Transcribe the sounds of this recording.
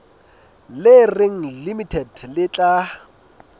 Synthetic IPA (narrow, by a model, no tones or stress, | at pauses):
lɪrɪŋ̩limitʰɛdlɪt͡ɬʼa